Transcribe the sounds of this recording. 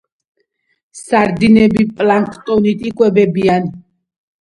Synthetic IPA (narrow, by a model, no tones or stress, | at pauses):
saɾd̪inɛbipʼlaŋkʰʼt̪ʼɔnit̪ʼikʼwɛbɛbian